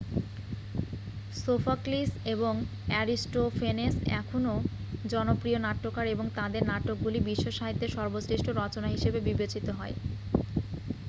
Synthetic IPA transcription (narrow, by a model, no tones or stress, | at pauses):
sofakliseboŋ | ɛɾisʈofenesɛ̰kʰono | d͡ʑɔnopɾionaʈːokaɾeboŋt̪ad̪eɾnaʈːok̚ɡulibiʃːoʃaɦit̪ːeɾʃɔɾbosɾiʃʈoɾɔt͡ɕonaɦiʃebebibet͡ɕit̪oɦɔe